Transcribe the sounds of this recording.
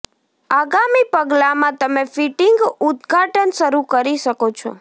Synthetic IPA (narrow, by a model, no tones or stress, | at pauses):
aɡamipəɡlamãt̪əmefiʈɪŋɡud̪ɡʱaʈənʃəɾukəɾiʃəkot͡ʃʰɔ̰